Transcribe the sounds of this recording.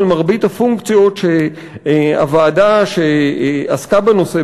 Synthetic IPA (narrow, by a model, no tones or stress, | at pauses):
lmaʁbithafuŋkt͡sjo̞tʃe | a̰vaːdaʃeaskabeno̞se